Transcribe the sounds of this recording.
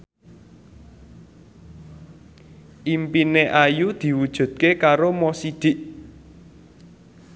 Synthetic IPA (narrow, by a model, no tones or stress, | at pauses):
ʔimpineʔajud̪̥i̤wud̥ʒ̥ṳd̪̥̚kekaɾomɔsid̪̥ɪ̤ʔ